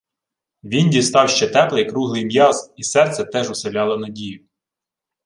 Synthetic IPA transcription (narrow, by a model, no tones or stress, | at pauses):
ʋʲindʲist̪ɑwʃt͡ʃɛt̪ɛplˠɐjɐkɾuɦlˠɪjmjɑzisɛrt̪sʲɛt̪ɛʒʊselʲɑlˠɔnɐdʲijʊ